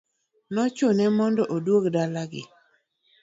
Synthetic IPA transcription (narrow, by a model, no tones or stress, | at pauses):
nɔt͡ʃʊnɛmɔndɔʔodwokdalaɡɪ̰